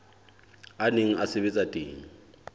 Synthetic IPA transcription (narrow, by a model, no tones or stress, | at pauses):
aneŋ̩ʔaseβet͡sʼatʼeːŋ̩